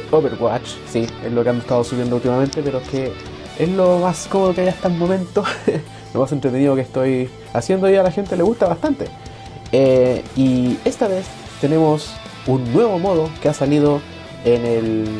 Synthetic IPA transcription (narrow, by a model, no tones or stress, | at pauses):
oβeɾwat͡ʃ | siezlokeamest̪aðosuβjend̪oult̪imame̞nt̪e̞peɾoeke | eslomaskomoðokeajast̪amo̞mẽ̞nt̪o | lomasent̪ɾet̪eniðokest̪o̞j | asje̞nd̪oialaxe̞nt̪e̞le̞ɣust̪aβast̪ant̪e | eie̞st̪aβe̞s | t̪e̞ne̞mos | unːwe̞βo̞mo̞ðokeasaliðo | enel